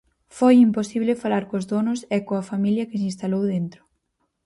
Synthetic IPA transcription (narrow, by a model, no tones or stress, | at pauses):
fojimposiβ̞lɪfalaɾkozðonʊsɛkoɐfamiljɐkɪs̬ĩnst̪alowðent̪ɾʊ̥